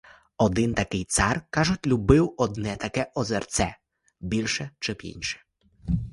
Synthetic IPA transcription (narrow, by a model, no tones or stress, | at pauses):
ɔd̪ɪnt̪ɐkɪjt̪sɑrkɑʒʊtʲlʲubɪwɔd̪nɛt̪ɐkɛʔɔzɛrt̪sɛ | bʲilʲʃɛt͡ʃɪbḭnʲʃɛ̥